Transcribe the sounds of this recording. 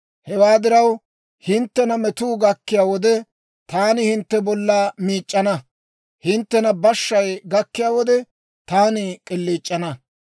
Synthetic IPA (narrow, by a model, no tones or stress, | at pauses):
hɛwaːd̪ɪɾɐw | hɪnt̪ːɛnɐmɛt̪uːɡɐkːɪjaːwɔd̪ɛ | t̪aːnɪhɪnt̪ːɛbɔlːaːmiːt͡ʃʼːɐnɐ | hɪnt̪ːɛnɐbɐʃːɐjɡɐkːɪjaːwɔd̪ɛ | t̪aːnɪkʼɪlːiːt͡ʃʼːɐnɐ